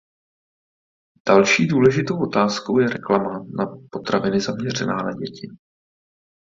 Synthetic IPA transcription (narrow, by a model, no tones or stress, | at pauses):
d̥alʃiːduːlɛʒɪt̪o̞wʔo̞t̪aːsko̞wjɛɾɛklamanapot̪ɾavɪnɪzamɲɛr̝ɛnaːnaɟɛcɪ